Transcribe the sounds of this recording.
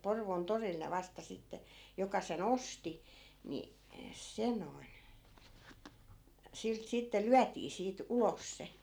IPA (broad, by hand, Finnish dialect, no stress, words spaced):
porʋoːn toril ne ʋɑstɑ sitːe jokɑ sen osti ni se noi̯n silt sitːe lyætiː siːt ulos se